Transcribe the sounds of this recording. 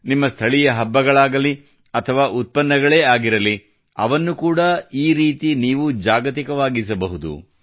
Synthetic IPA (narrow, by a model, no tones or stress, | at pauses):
nimːɐst̪ʰɐɭijɐɦɐbːɐɡɐɭaːɡɐli | ɐt̪ʰɐʋaːʔut̪̚pɐnːɐɡɐɭe̞ːaːɡiɾɐli | ɐ̰ʋɐnːukuːɽɐiːɾiːt̪iniːʋud͡ʒaːɡɐt̪ikɐʋaːɡisɐbɐɦud̪ṵ